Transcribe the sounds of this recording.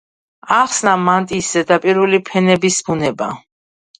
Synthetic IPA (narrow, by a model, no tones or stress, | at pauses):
aχsnamant̪ʼisɛd̪apʼiɾvlipʰɛnɛbisbunɛba̰